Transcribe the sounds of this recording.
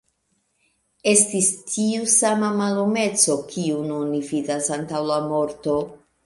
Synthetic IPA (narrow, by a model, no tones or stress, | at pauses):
e̞stistʰiusamamalome̞t͡so̞kʰiununividasantawlamo̞ɾto̞